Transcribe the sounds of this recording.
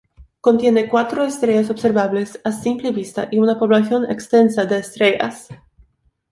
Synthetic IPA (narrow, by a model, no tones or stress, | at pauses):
ko̞nt̪je̞ne̞kwat̪ɾoest̪ɾeʝasobseɾβaβle̞sasimpleβist̪a̰ʔiunapo̞βlaθjo̞nḛkst̪e̞nsad̪eːst̪ɾeʝa̰s